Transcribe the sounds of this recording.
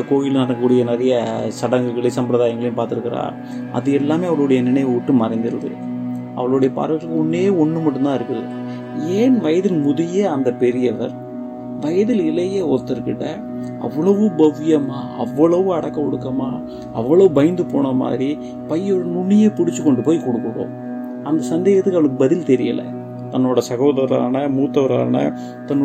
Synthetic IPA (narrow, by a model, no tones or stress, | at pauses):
koːjɪlnɐɾɐɐkːuːɽɪjɐnɛɾɐjɐsɐɽɐŋɡɯɣɐɭɪsɐmpɾɐðaːjɐŋɡɐɭɐjʊ̃paːɾt̪ɪɾɯkːɪɾa̰ː | ɐ̰ðɯɛlːaːmeːɐʋɐɭoɽɐjɐnɪnɐjʋʊʈːɯmɐɾɐɪnd̪ɯɾɯðɯ̰ | ʔɐ̰ʋɐɭoɽɐjɐpa̰ːɾɐɣɐɭɯkːɯɔnːeːɔɳːɯmɐʈːɯmt̪ãːɪɾɯkːɐðɯ̰ | eːnʋɐjɐðɪlmʊðɪjeːɐnd̪ɐpɛɾɪjɐʋɐɾ | ʋɐjɐðɪlɪlɐjeːɔt̪ːɪɾɯkːɪʈːɐ | ʔɐ̰ʋːɐɭɐʋɯ̃bɐʋɪjɐmaːʔɐ̰ʋːɐɭɐʋɯ̃ɐɽɐkːɐkɔɽɯkːɐma̰ː | ɐʋːɐɭɐʋɯbɐjɪnd̪ɯpo̰ːɳɐma̰ːd̪ɾi | pɐjːɔɽɐnʊɳːɪjeːpʊɽɪt͡ʃːɯkːɔɳɖɯpoːjkɔɽɯkːɯʋõ̰ː | ɐnd̪ɐsɐnd̪eːɣɐt̪ːɯkːɐʋɐɭɯkːɯbɐðɪlt̪ɛɾɪjɐ̰lɐ̰ | t̪ɐnːoːɽɐsɐɣɐːðɐʋɐɾa̰ːnɐmuːt̪ːɐʋɐɾa̰ːnɐ̰ | t̪ɐnː